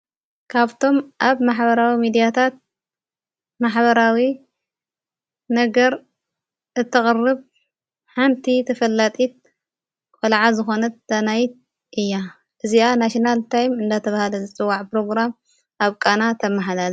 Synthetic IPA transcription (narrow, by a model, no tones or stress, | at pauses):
kʰaβt̪ʰo̞mʔaβmaħβɐɾawimid̪ijat̪ʰat̪̚ | maħβɐɾawi | nɐɡɐɾ | ʔɨt̪ʰːɨxʼɨrːɨβ | ħant̪ʰit̪ʰɐfɐlːat̪ʼit̪̚ | kʼɐlʕazɨxo̞nɐt̪̚d̪anajt̪̚ | ʔɨjːa | ʔɨzianaʃinalt̪ʰajmɨnd̪at̪ʰɐβahalɐzɨt͡sʼɨwːaʕpɾo̞ɡɾam | aβkʼanat̪ʰɐmːaħalal